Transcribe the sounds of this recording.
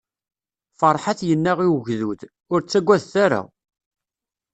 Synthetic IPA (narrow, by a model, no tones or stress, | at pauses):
fəɾˤħaθjənːæʁiwəʝðuθ | ʊɾt͡sːæɡʷːæðθæɾa̰